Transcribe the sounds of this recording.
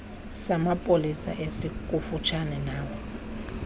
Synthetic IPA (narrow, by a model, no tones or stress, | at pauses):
samapʼolisa̰ʔesik̬ʼufut͡ʃʰanɛnaːwɔ